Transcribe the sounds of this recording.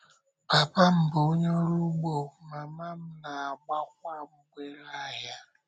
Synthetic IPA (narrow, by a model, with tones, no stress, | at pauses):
b̥a˨pa˦m̩˨bo˨˦ɲo˦ɾu˦ɡ͡bo˨ma˨ma˦m̩˦na˨a˨ɡ͡ba˦k̚ʷa˦m̩˦ɡʷe˦la˦˨ja˦